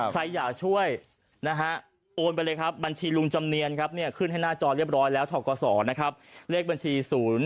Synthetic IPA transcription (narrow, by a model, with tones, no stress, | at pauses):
kʰɾa˧jːaː˨˩k̚t͡ɕʰu˥˩əj | na˦˥ɦʰa˦˥ | ʔoː˧npa˧jlɤː˧kʰa˦˥p̚ba˧nt͡ɕʰiː˧lu˧ŋt͡ɕa˧mni˧ənkʰa˦˥p̚ni˥˩ɐkʰɯ˥˩nha˥˩jnaː˥˩t͡ɕɔː˧ɾi˥˩əp̚ɾɔː˦˥jlɛː˦˥wt̪ʰɔː˧˩kɔː˧sɔː˩˦na˦˥kʰa˦˥p̚li˥˩k̚ba˧nt͡ɕʰiː˧suː˩˦n